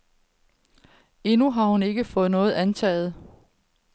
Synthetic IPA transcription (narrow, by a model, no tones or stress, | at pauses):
e̝nuɦɑ̈hune̝ɡ̥əfɔ̽ːð̩ˠnɔ̽ːð̞̩ˠænt͡sʰɛ̰ːð̞̩ˠ